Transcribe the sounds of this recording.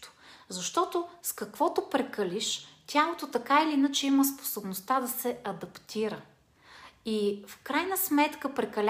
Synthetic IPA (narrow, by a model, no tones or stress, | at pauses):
o̥zɐʃt̪ɔt̪oskɐkvɔt̪opɾɛkəliʃt̪ʲjalˠot̪ot̪ɐkailiinət͡ʃɛiməspo̥sobnost̪ad̪ɐsɛɐd̪ɐpt̪iɾə | ifkɾajnəsmɛt̪kəpɾɛkɐlʲ